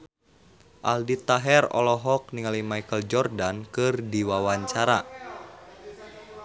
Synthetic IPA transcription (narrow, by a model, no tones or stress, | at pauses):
ʔa̰ldit̪aɦɛrɔ̰lɔɦɔk̚niŋalimaikəld͡ʒɔrdankɨrdiwawaɲt͡ʃaɾa